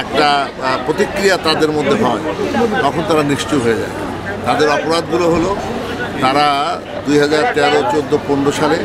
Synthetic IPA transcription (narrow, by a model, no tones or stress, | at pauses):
ɛk̚ʈa | pɾot̪ikɾijat̪ad̪eɾmod̪ʱːeɦɔet̪ɔkʰont̪aɾanɾiʃt͡ɕuɦoed͡ʑa̰e | t̪ad̪eɾɔpoɾad̪̚ɡuloɦolo | t̪aɾa | d̪ujɦad͡ʑaɾt̪ɛɾot͡ɕod̪ːoponɾoʃale